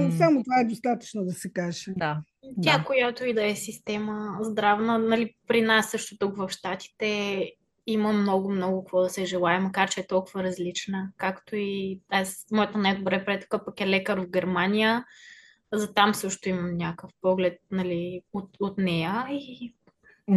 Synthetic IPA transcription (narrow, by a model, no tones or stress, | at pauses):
samot̪ovaɛd̪ost̪at̪ə̥t͡ʃnod̪ɐsɛkaʒɛd̪a | t̪ʲakojat̪oid̪ɐɛsist̪ɛməzd̪ɾavnənɐlipɾinasːɤʃt̪ʊt̪ukvɐfʃt̪at̪i̥t̪ɛ | iməmnɔɡʊmnɔɡʊkəkvɔd̪ɐsɛʒɛlˠaɛmɐkaɾt͡ʃɛɛt̪ɔlˠkʊvəɾɐzlit͡ʃnəkakt̪oiasmɔjət̪ənad̪bɾɛpɾɛt̪ʊ̥kapɐkɛlɛkəɾvɡʲɛɾmanʲijə | zɐt̪amsɤʃt̪ʊimɐmnʲakəfpɔɡlɛt̪̚nɐliot̪ot̪nɛjəi